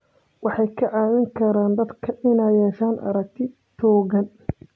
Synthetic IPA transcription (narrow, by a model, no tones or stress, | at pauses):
wɑħɑjkʰɐʕɑːmɪŋkʰɐɾaːnd̪ɐd̪kʰɐʔɪnaːjjɛːʃaːnʔɐ̰ɾɐk̚t̪ʰɪ | t͡ʃʰɔːɣɐn